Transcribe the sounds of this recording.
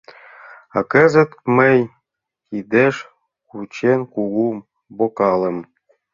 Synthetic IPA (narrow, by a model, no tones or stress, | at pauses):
ɑkə̆zə̆t̪məj | kid̪eʃ | kut͡ɕenkuɡum | bokɑlə̆m